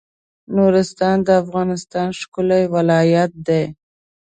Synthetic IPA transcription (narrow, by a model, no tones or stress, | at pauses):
noɾɪst̪ɑnd̪əafɣɑnɪst̪ɑnʃkʊlajwɪlɑjat̪̚d̪e